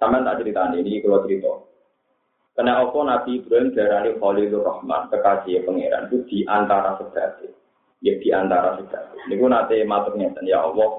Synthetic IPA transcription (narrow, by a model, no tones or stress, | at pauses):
sampaant̪a̰ʔt͡ʃəɾit̪aninikikulɔt͡ʃəɾit̪ɔ̰ | kənɛɔkɔnab̪̥ib̪̥ɾanʒ̥a̤ɾaliχɔlilurɔhma̰nkəkḁd͡ʒ̥iepəŋḛɾa̰nkud̪̥i̤ʔant̪aɾasəd̥a̤t̪e | jəd̪̥i̤ant̪aɾa̰səd̪̥ä̤t̪enikunat̪emat̪ʊk̚ɲet̪ənjaɔ̰wɔ